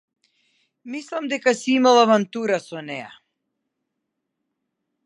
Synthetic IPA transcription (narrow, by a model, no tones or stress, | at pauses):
mislˠamd̪ɛkasiimalˠavant̪uɾasɔnɛja̰